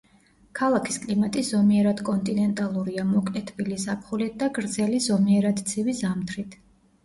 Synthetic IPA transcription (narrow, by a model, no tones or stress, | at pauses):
kʰalˠakʰi̥skʼlimat̪ʼisz̥ɔmiɛɾad̪̥kʼɔnt̪ʼinɛnt̪ʼalˠuɾiamɔkʼɛt̪ʰbilisapʰχulit̪̚ʰd̪aɡɾd̪zɛlizɔmiɛɾad̪t̪sʰivizamt̪ʰɾit̪ʰ